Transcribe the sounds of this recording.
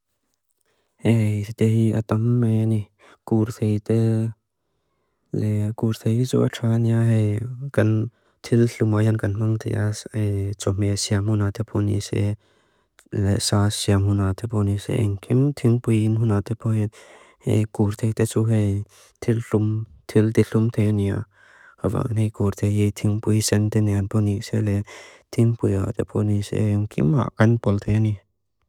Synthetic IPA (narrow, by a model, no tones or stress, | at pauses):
ʔejt̪t̪ɛhiʔat̪ɐmːeni | kurt̪ʰejt̪ɛ | lɛkurt̪ʰejt͡sṵːʔaʈ͡ʂʰaːniaɦekɐn | t̪ʰilɬumahɛnkɐnmaŋt̪ʰḛʔaet͡sɔmɛsiamhunat̪ɛpʰɔnḭsɛ̰ | lɛsasiamhunat̪ʰɛpʰɔnisḛḭŋkʰimt̪ʰiŋpujinɦunat̪ʰɛpʰɔhɛ | ḛkuɾt̪ʰejt̪et͡suhe | t̪ʰilɬumt̪ʰilt̪iɬumt̪ʰejania̰ | ava̰ʔnejkuɾt̪ʰejit̪ʰiŋpujsɛnt̪ɛnɛanpʰɔnik̚sɛlɛt̪ʰiŋpuja̰t̪ʰɛpʰɔnisḛŋkʰḭma̰ʔkanpɔlt̪ʰejani